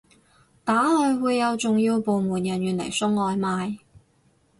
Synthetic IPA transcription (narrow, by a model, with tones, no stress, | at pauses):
t̪aː˨˥lɔː˨˧jwuː˨˧jːɐ˨˧wt͡sʊ˨ŋjiː˧wpo˨wmuː˨˩njɐ˨˩njyː˨˩nlɐ̰˨˩jsʊ˥ŋɔː˨˧jmaː˨˧j